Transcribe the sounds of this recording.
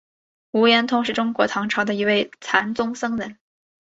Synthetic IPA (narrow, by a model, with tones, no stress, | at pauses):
u˧˥jɛ˧˥nt̪ʰʊ˥ŋʂɻ̩˥˩ʈ͡ʂʊ˥ŋkwɔ˧˥t̪ʰɑ˧˥ŋʈ͡ʂʰɑ˧˥ʊd̪ə˧i˧˥we˥˩ɪt͡sʰa˧˥nt͡sʊ˥ŋsɤ˥ŋɻə˧˥n